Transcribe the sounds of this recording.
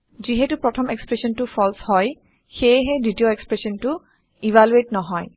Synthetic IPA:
ziɦɛtupɹɔtʰɔmekspɹesɔntʊpʰɔlshɔj | xejɦɛditijɔekspɹesɔntʊ | ivaluetnɔɦɔj

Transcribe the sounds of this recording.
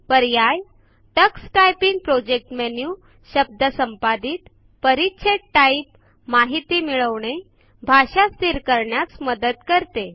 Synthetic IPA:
pəɾjaj | ʈəksʈajpiŋɡ̚pɾod͡ʑek̚ʈmenju | ɕəb̚d̪əsəmpad̪iːt̪ | pəɾitːɕʰeʈʈaip | maɦit̪iːmiɭəʋɳ̃e | bʱaɕast̪ʰiɾkəɾɳjat͡sməd̪əd̪kəɾt̪e

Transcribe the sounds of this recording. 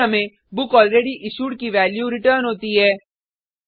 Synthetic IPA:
ɐmẽ | bʊkɔːlɾeːɖiʔɪʃuːʈkiʋɛːljuɾɪʈəːɾnɦoːt̪iɦɛː

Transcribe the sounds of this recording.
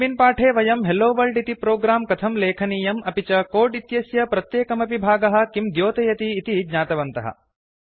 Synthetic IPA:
ʋinpaːʈʰeːʋɐjɐmɦeloːʋɐlɖit̪ipɾoːɡɾaːmkɐt̪ʰɐmleːkʰɐniːjɐmɐpit͡ʃɐkoːɖit̪jɐsjɐpɾɐt̪jeːkɐmɐpibʱaːɡɐɦɐ̆kimd̪joːt̪ɐjɐt̪iːt̪id͡ʒɲaːt̪ɐʋɐnt̪ɐɦɐ̰

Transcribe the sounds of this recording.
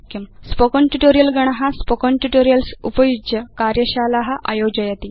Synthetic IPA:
kimspokoɳʈuʈoɾijɐlɡɐɳ̃ɦaspɔkɔɳʈuʈoːɾijɐlsupɐjud͡ʒjɐkaɾjɐɕaːlaɦɐʔa̰joːd͡ʑɐjɐt̪i

